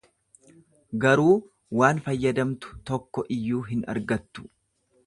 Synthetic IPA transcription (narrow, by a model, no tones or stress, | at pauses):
ɡɐɾuː | waːnfɐjːɐd̪ɐmt̪ʊ̥t̪ɔkːɔʔɪjːuːɦɪnɐ̰ɾɡɐt̪ːʊ̥